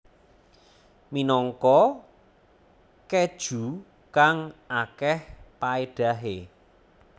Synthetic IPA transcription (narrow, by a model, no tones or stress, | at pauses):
minɔŋkɔ | ked̥ʒ̥ṳ | kaŋakɛhpaeɖ̥a̤ɦe